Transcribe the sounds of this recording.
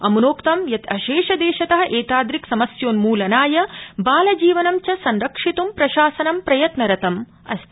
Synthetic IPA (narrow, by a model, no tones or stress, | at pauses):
ɐmunoːkt̪ɐmjɐt̪ɐʃeːʃɐd̪eːʃɐt̪ɐɦɐʔeːt̪aːd̪ɾiksɐmɐsjoːnmuːlɐnaːjɐbaːlɐd͡ʒiːʋɐnɐmt͡ʃɐsɐnɾɐkʂit̪umpɾɐʃaːsɐnɐmpɾɐjɐt̪nɐɾɐt̪ɐm | ɐ̰st̪